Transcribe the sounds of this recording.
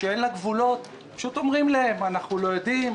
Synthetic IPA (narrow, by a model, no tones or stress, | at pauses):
ʃeenlaɡvulo̞t̪ | paʃut̪o̞mʁimlaemanaχnulo̞jod̪im